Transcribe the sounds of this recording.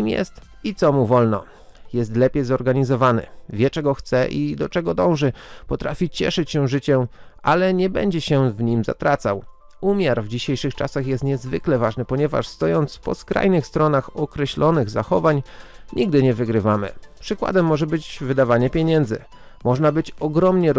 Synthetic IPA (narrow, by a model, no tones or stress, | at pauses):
imjɛ̰st̪ | it̪sɔmuvɔlnɔ | jɛs̬t̪lɛpʲjejzɔɾɡaɲizɔvanɘ̰vʲjɛt͡ʂɛɡɔxt̪sɛʔid̪ɔt͡ʂɛɡɔd̪ɔ̃w̃ʐɘpɔt̪ɾafʲit͡ɕɛ̰ʂɘt͡ɕɕɛʐɘt͡ɕɛʔa̰lɛɲɛbɛ̰ɲd͡ʑɛɕɛvɲimza̰t̪ɾat̪saw | umʲjaɾvd͡ʑiɕejʂɘxt͡ʂa̰saxjɛst̪ɲɛzvɘklɛvaʐnɘpɔɲɛva̰ʂst̪ɔjɔnt̪spɔ̰skɾa̰jnɘxst̪ɾɔnaxɔkɾɛɕlɔnɘɣzaxɔvaɲɲiɡ̚d̪ɘɲɛvɘɡɾɘvamɘ̰pʂɘkwa̰d̪ɛmːɔʐɛbɘd͡ʑvɘd̪avaɲɛpʲjeɲɛnd̪zɘ̰ | mɔʐnabɘt͡ɕɔɡɾɔmɲɛ